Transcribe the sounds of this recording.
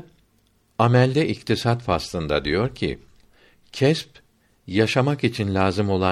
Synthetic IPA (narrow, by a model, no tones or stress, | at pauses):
amælʲd̪ɛʔikt̪ʰisat̪faslˠɯnd̪a̰d̪ijo̞ɾcʰḭ | cʰɛsp | jaʃamakit͡ʃʰinlʲaːzɯmo̞lˠa